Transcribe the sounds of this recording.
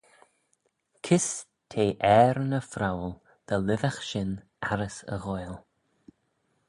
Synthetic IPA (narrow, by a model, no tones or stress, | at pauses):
kʰɪs | tʰeːʔɛːɾnəfɾawl | d̪̥əlɪvaxʃɪn | aɾəsə̰ɣojlˠ